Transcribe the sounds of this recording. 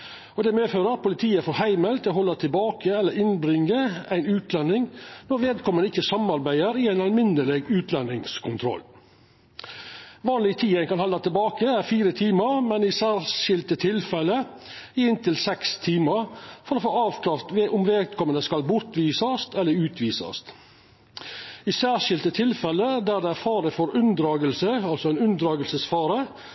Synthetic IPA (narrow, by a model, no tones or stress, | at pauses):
ɔd̪ɛmeːføːɾəpʰʊlɪt̪ʰiːəfɔɾhæɪməlt̪ʰɪlɔhɔlːɑt̪ʰɪlbɑːkəɛlːəɾɪnbɾɪŋːəæɪnʉːt̪lɛnːɪŋnɔɾʋeːd̪̚kʰɔmːənɪçːəsɑmɑɾbæɪəɾɪæɪnɑlmɪnəleːɡʉːt̪lɛnːɪŋskʰʊnt̪ʰɾɔ̰lː | ʋɑːnlɪt̪ʰiːənkɑnhɑlːɑt̪ʰɪlbɑːkəæɾfiːɾət̪ʰiːməɾmɛnɪsæːɾʃɪlt̪ət̪ʰɪlfɛləɪɪnt̪ɪlsɛkst̪ʰiːməɾfɔɾoːfoːɑːʋk̪ɑft̪ʋeʔʊmʋeːt̪kʰɔmənəskɑlbʊɾt̪ʋiːsɑst̪ʰɛlːəɾʉːt̪ʰʋiːsɑ̰st̪ | isæːʂɪlt̪ət̪ʰɪlfɛləd̪æːd̪ɛæɾfɑːɾəfɔɾʉnd̪ɾɑːɡəlsəɑlsɔæɪnʉnd̪ɾɑːɡəlsəsfɑːɾə